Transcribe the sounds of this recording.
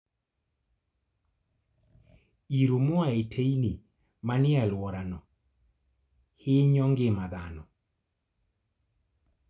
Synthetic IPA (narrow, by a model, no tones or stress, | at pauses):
iɾomoaetʰejni | manɪalwɔɾanɔ | hɪɲɔŋɡɪmad̪anɔ